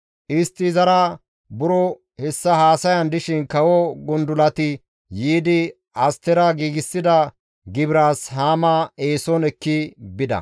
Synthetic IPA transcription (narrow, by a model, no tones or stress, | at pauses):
ʔɪst̪ːɪzɐɾa | bʊɾɔ | hɛsːɐhaːsɐjɐnd̪ɪʃɪnkɐwɔɡʊnd̪ʊlɐt̪ɪ | jiːd̪ɪ | ʔɐst̪ɛɾɐɡiːɡɪsːɪd̪ɐ | ɡɪbɾaːshaːmaeːsɔnɛkːɪbɪd̪ɐ̰